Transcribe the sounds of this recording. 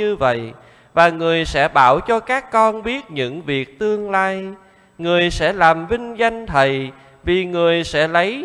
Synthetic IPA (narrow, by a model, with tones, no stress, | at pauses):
ɨ˧və̰˧˨j | vaː˨˩ŋɨ˨˩əjsɛ̰˧˥ɓaː˧˩wt͡ɕɔ˧kaː˦˥kːɔ˧nɓi˦˥ət̚ɲɨ̰˧˥ŋvi˨˩ək̚t̪ɨ˧əŋlaː˧j | ŋɨ˨˩əjsɛ̰˧˥laː˨˩mvï˧ŋ̟za˧jŋ̟t̪ʰə˨˩j | vi˨˩ŋɨ˨˩əjsɛ̰˧˥lə˨˦j